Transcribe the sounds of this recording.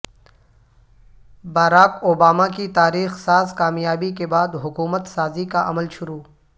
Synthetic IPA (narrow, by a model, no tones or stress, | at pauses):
baːɾaːkoːbaːmakit̪aːɾiːxsaːzkaːmjaːbikebaːd̪ɦʊkuːmət̪saːzikaʔɐ̰məlʃʊɾuː